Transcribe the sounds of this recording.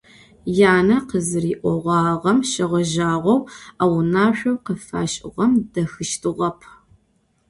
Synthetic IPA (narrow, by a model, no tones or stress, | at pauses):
jaːnɐqəzɨɾiːʔʷɔʁʷɑːʁɐmʃɐʁɐʒaːʁʷɔwawnaːɕᶣʷɐwqəfa̰ːɕʼɪ̰ʁɐmdɐxɨʃtʰɨʁɐpʰ